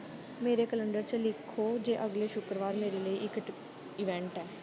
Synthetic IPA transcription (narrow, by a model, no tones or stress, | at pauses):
meːɾeːkələɳɖəɾt͡ʃəlɪkʰːoːd͡ʒeːʔəɡleːʃʊkɾəʋaːɾmeːɾeːləiːʔɪk | ɪʋɛ̃ːɳʈɛː